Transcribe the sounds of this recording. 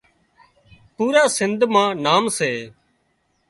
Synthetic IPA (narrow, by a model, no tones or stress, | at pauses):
puːɾaːsɪnd̪ʱmãːnaːmseː